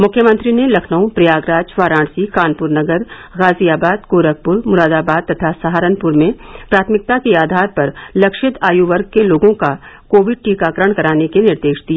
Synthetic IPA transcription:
mʊkʰjəmə̃nt̪ɾinelɐkʰnəũpɾijaːɡɾaːd͡ʒfaːɾãːɽsikaːnpʊɾnɐɡəɾɣaːziaːbaːd̪koːɾək̚pʊɾmʊɾaːd̪aːbaːd̪̚t̪ɐt̪ʰasaɦaːɾənpʊɾmẽpɾaːt̪ʰmɪk̚t̪akeaːd̪ʱaːɾpɐɾlɐkʃɪt̪ʰaːjuʋəɾɡ̚keloːɡõkakoːʋɪɖ̚ʈiːkaːkɾəɽ̃kɐɾaːnekenɪɾd̪eːʃd̪ia

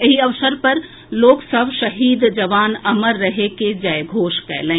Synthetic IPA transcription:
eɦiɐʋsəɾpɐɾ | loːksəbʃɐɦiːd̪d͡ʒɐʋaːnəməɾːəɦeked͡ʒɐjɡʱoːʃkɛ̰ːlẽ

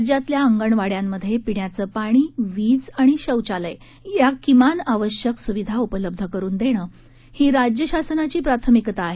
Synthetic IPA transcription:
d͡ʑat̪ljaəŋɡəɳʋaɽjamːəd̪ʱjepiɳjat͡səːpaɽ̃iːʋid͡zaɽ̃iɕəwt͡ɕaləj | jakimanaʋəɕjəksuʋid̪ʱaupələb̚d̪ʱəkəɾuːnd̪eɽ̃əː | hiːɾad͡ʑjəɕasənat͡ɕiːpɾat̪ʰəmikt̪aːɦe

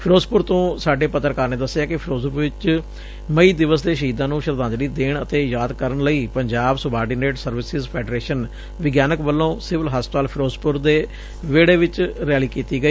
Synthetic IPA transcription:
pʰɪɾoːspʊɾt̪õːsaːɖeːpət̪ːəɾkaːɾneːd̪əsːjaːkɪpʰɪɾoːzʋɪt͡ʃ | məiːd̪ɪʋəsd̪eːʃəɦiːd̪ãːnũːʃəɾd̪ãːnd͡ʒ̪liːd̪eːɳət̪eːjaːd̪kəɾəɳləiːpəɲd͡ʒaːbsʊbaːɾɖiːneːʈsəɾʋɪsɪzpʰɛːɖɾeːʃən | ʋɪɡjaːnəkbəlːõːsɪʋəlɦaːspət̪aːlpʰɪɾoːspʊɾd̪eː | ʋeːɽeːʋɪt͡ʃɾɛːliːkiːt̪iːɡəiː

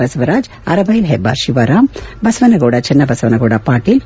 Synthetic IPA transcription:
ɐsɐʋɐɾaːd͡ʒ | ɐ̰ɾɐbɐjilɦebːa̰ːɾʃiʋɐɾaːmbɐsʋɐnɐɡoːɽɐt͡ʃɛnːɐbɐsɐʋɐnɐɡoːɽapaːʈːil

